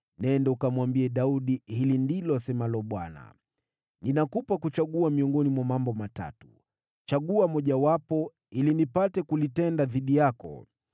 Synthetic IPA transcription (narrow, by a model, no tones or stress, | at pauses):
nɛndɛukamwambiɛɗauɗihilindilɔasɛmalɔɓwa̰na̰ | ninakupakut͡ʃaɠuamiɔŋɡɔnimwamambɔmata̰tu̥ | t͡ʃaɠuamɔʄawapɔ | ilinipatɛkulitɛndaðiɗijakɔ̰